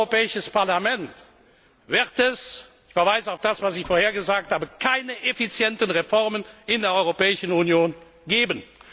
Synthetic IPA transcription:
opɛːɪʃəspaɐlamɛnt | v̥ɪʁtɛs | ɪçfɛɐvaɪzəaʊfd̥asv̥asɪçfoːɐheːɐɡəzaːk̚thaːbəkʰaɪnəʔefit͡sjɛntənʁefɔʁmənɪndeːɐʔɔʏʁopɛːɪʃənunjoːn | ɡeːbən

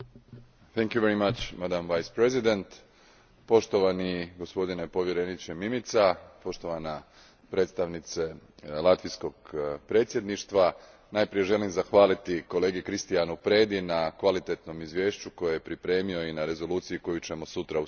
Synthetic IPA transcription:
θɛŋkjuʋeɾimat͡ʃmad̪amʋajspɾezid̪ent̪ | po̞ʃt̪oʋaniɡo̞spo̞d̪inepo̞ʋje̞ɾe̞nit͡ɕemimit̪sapo̞ʃt̪o̞ʋana | pɾe̞t̪st̪aʋnit̪se̞lˠat̪ʋijsko̞ɡpɾe̞ːt̪sʲjed̪niʃt̪ʋa | najpɾije̞ʒe̞limzaxʋaːlit̪iko̞leːɡikɾist̪ijanupɾe̞ːd̪inakʋalit̪e̞t̪no̞mizʋje̞ːʃt͡ɕuko̞jejepɾipɾe̞ːmio̞inaɾe̞zo̞luːt̪sijiko̞jut͡ɕe̞mo̞sut̪ɾau

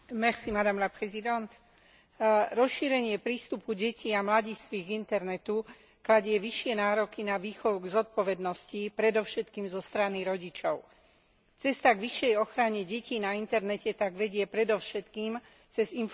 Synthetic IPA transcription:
mɛxsimad̪amlapɾɛzid̪ɛnt̪ | ɾɔsʃiːɾɛɲɪɛpɾiːst̪upuɟɛciamlaɟiːst̪ʋiɡint̪ɛɾnɛt̪u | klaɟɪɛʋiʃɪɛnaːɾɔkinaʋiːxɔʊɡzɔt̪̚pɔʋɛd̪nɔscipɾɛd̪ɔfʃɛt̪kiːmzɔst̪ɾaniɾɔɟit͡ʃɔʊ | t͡sɛst̪aɡʋiʃjɛjɔxɾaɲɛɟɛciːnaint̪ɛɾnɛcɛt̪aɡʋɛɟɪɛpɾɛd̪ɔʊʃɛt̪kiːm | t͡sɛzin

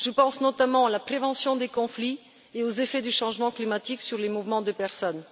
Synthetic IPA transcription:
ʒ̥əpɑ̃snɔt̪amɑ̃alapχevɑ̃sjɔ̃d̪ekɔ̃fli | eozefɛd̪yʃɑ̃ʒmɑ̃klimat̪iksyʁlemuvmɑ̃d̪əpɛʁsɔn

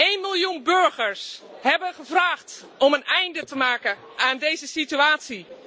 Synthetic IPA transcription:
eːnmilˠjunbøɹɣəɹshɛbəɣəvraːxt | ɔmənɛjndətəmaːkə | aːndeːzəsityaːsi

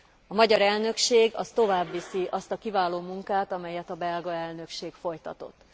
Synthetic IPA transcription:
ɒmɒɟɒɾɛlnø̞kʃeːɡɒ̰st̪o̞vaːbːisiʔɒst̪ɒkivaːloːmuŋkaːt̪ɒmɛjɛt̪ɒbɛlɡɒɛlnø̞kʃeːkfo̞jt̪ɒt̪o̞̰t̪ː

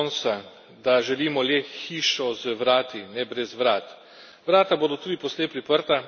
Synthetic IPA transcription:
ɔnsa | d̪aʒɛliːmɔlɛxiːʃɔzəʋɾaːt̪inɛbɾɛzʋɾaːt̪ | ʋɾaːt̪aboːd̪ɔt̪uːd̪ipɔsleːpɾipəɾt̪a

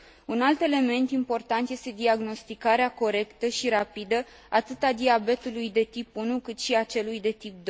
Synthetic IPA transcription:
unalt̪e̞le̞me̞nt̪impo̞rt̪ant̪je̞st̪e̞d̪iaɡno̞st̪ikaɾeako̞ɾe̞kt̪əʃiɾapid̪ə | at̪ɨt̪ad̪iabe̞t̪ulujd̪e̞t̪ipunukɨt̪ʃiat͡ʃe̞lujd̪e̞t̪ip̚d̪oj

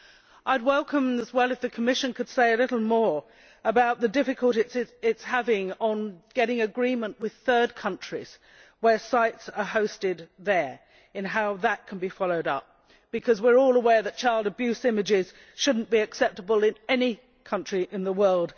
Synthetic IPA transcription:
ʔaɪd̚wɛlˠkə̃mɨzwɛlˠɨfðɨkʰəmɪʃɨ̃nkʰɨd̥seɪɨlɪɾl̩ˠmɔɹ | əbaʊt̪̚ðɨdɪfɨkʰəl̩ˠɾɨsɨɪtshævɪ̃ŋə̃nɡ̥ɛɾɪ̃ŋɨɡɹĩmə̃nʔwɨð̥θɜ˞d̚kʰʌ̃nt͡ʃɹ̥iz̥ | wə˞saɪtsə˞hoʊstɪd̪̚ðə˞ | ɨ̃nɦaʊðət̚kʰn̩bifɑlˠoʊɾʌ̰p̚ | b̥ɨkʰʌzwɪɹɔlˠəwɛɹðɨt̚t͡ʃʰaɪlˠdɨbjʉsɪ̃mɨd͡ʒɪz̥ | ʃʊdⁿn̩b̥iɨksɛp̚təbəlˠɪ̃nɛni | kʰʌ̃nt͡ʃɹ̥iʔɨ̃nðəwɜ˞lˠd̥

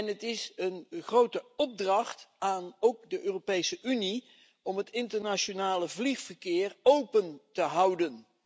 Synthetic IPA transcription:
ɛnɦətɪsənχrowtəɔb̚drɑχtaːnowk̚dəʔøːropejsəʔyni | ɔmɦətɪntəɹnaʃonaːləvliχfərkɪːrowpəntəɦɑwdən

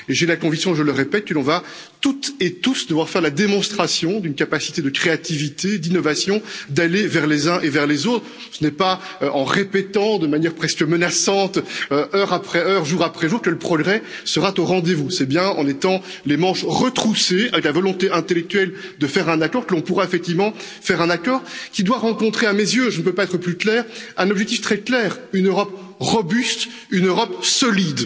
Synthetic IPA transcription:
eʒelakɔ̃viksjɔ̃ʒələʁepɛt̪̚kəlɔ̃va | t̪ut̪et̪usd̪əvwaʁfɛʁlad̪emɔ̃st̪χasjɔ̃d̪ynkapasi̥t̪ed̪əkχeat̪ivit̪ed̪inɔvasjɔ̃d̪alevɛʁlezɛ̃ʔevɛʁlezot̪χ | sənɛpa | øʔɑ̃ʁepɛt̪ɑ̃d̪əmanjɛʁpχɛskəmənasɑ̃t̪øœʁapχɛœʁʒuʁapχɛʒuːʁkələpχɔɡʁɛ | səʁat̪oʁɑ̃d̪evusɛbjɛ̃ɑ̰̃net̪ɑ̃ | lemɑ̃ʃʁət̪χuseavɛklavɔlɔ̃t̪eʔɛ̃t̪elɛk̚t̪ɥɛl | d̪əfɛʁɛ̃nakɔʁkəlɔ̃puʁaefɛk̚t̪ivmɑ̃ | fɛʁɛ̃nakɔːʁkʲid̪waʁɑ̃kɔ̃t̪χeamezjøʒənəpøpaɛt̪χəplyklɛːʁɛ̃nɔbʒɛk̚t̪ift̪χɛklɛːʁynøʁɔp | ʁɔbyst̪ | ynøʁɔpsɔlid̪

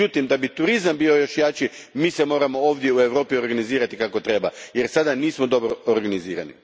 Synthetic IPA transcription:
ut̪imd̪abit̪uɾizambiːo̞jo̞ʃjaːt͡ʃimiːsemo̞ːɾamo̞oːʋd̪je̞ue̞ʋɾo̞ːpio̞ɾɡaniziːɾat̪ikako̞t̪ɾe̞bajeɾsad̪aniːsmod̪o̞bɾooɾɡaniziːɾa̰nḭ

